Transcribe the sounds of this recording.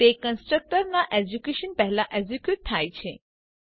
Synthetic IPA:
t̪ekənsʈɾək̚ʈəɾnaʔed͡ʑukeɕənpɛɦɛlaʔed͡ʑikjut̚t̪ʰːajt͡ɕʰḛ

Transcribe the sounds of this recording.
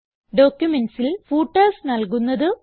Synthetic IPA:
ɖo̞ːkjumensilfuːʈːɐːsnɐlkunːɐðɨ

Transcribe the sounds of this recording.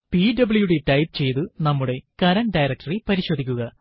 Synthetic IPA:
piɖɐbɨɭjuɽe̞ʈɐjp̚t͡ɕe̞jt̪ɨnɐmːuɽe̞kɐɾɐnɖɐjrɐk̚ʈɐripɐɾiɕoːd̪ʱikʲːuɣɐ

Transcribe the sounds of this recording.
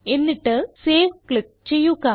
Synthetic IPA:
e̞nːiʈːɨseːʋkɭik̚t͡ɕe̞jːuɣa

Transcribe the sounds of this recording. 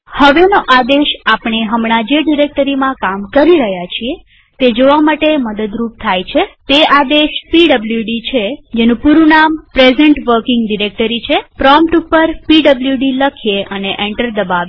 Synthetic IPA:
həʋenoʔad̪eʃapɳ̃eɦəmɳ̃ad͡ʒeɖiɾek̚ʈəɾimãkamkəɾiɾəɦjat͡ʃʰie | t̪ed͡ʒoʋamaʈeməd̪əd̪ɾup̚t̪ʰajt͡ʃʰet̪ead̪eʃpiɖəbljuɖit͡ʃʰed͡ʒenũpuɾunampɾezeɳʈʋəɾkɪŋɡɖiɾek̚ʈəɾit͡ʃʰepɾɔmpʈupːəɾpiɖəbljuɖiləkʰijeʔəneʔeɳʈəɾd̪əbaʋe

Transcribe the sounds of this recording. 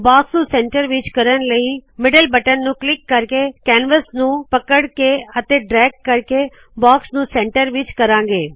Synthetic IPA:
baːksnũsɛ̃ːɳʈəɾʋɪt͡ʃkɐɾənləimɪɖəlbəʈənːũklɪkːɐɾkekɛːnʋəsnũpɐkəɽkeət̪eɖɾɛːk̚ʈ̚kɐɾke | baːksnũsɛ̃ːɳʈəɾʋɪt͡ʃkɐɾãːŋɡeː

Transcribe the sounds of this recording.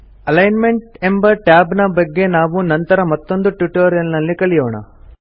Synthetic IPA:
ɐlɐjnme̞ɳʈe̞mbɐʈjaːbnɐbɐɡːe̞naːʋunɐnt̪ɐɾɐmɐt̪ːo̞nd̪uʈjuʈoːɾijɐlnɐlːikɐɭijoːɳɐ̰

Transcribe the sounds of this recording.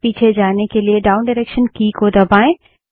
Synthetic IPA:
piːt͡ʃʰed͡ʒaːnekelieɖaːʊnɖɪɾeːkʃənkiːkod̪ɐbaːẽ

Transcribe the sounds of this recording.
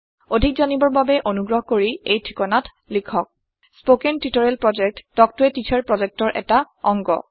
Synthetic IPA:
odʱik̚zanibɔɹbabɛʔonuɡɹɔɦɔkoɹiejtʰɹikɔnat | likʰɔk̚ | spokɛntitɔɹɛlpɹɔd͡ʒɛk̚tːɔk̚tuɛtitʰɛɹpɹɔzɛk̚tɔɹʔɛ̰ta | ɔŋɡɔ̰

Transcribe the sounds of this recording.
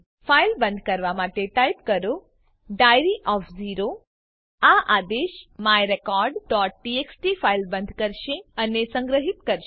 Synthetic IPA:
fajlbənd̪ʱkəɾʋamaʈeʈajpkəɾo | ɖajɾiʔɔfziɾo | aʔad̪eʃmajɾekɔɾɖɖɔʈ̚ɖieksʈifailbə̃nd̪ʱkəɾʃeənesə̃ŋɡɾəɦit̪kəɾʃ

